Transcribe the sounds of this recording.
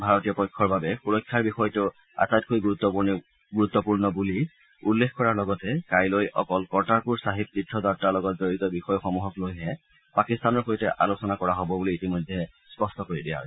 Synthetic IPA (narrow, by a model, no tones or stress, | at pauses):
bʱaɹɔtijɔpɔjkʰːɔɹbabɛpuɹɔkʰːjaɹbixɔjtʊ | a̰tat̚kojɡuɹut̪ːɔun | ɡuɹut̪ːɔpuɹnɔbuli | ulːexkɔɹaɹlɔɡɔtɛkajlojʔɔ̰kɔlkɔɹtaɹpuɹsaɦib̚titʰːɔdaɹ̚talɔɡɔtzoɹitɔbixɔjɔxɔmuɦɔklojɦɛ | pakistanɔɹxojtɛʔalosɔnakɔɹaɦobɔbuliːtimɔjdʱːɛspɔstɔkoɹidia̰